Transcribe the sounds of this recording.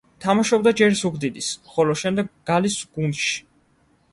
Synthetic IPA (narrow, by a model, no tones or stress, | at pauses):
t̪ʰamaʃɔb̚d̪ad͡ʒɛɾsuɡd̪id̪ismχɔlɔʃɛmd̪ɛɡːalisɡ̥unʃi̥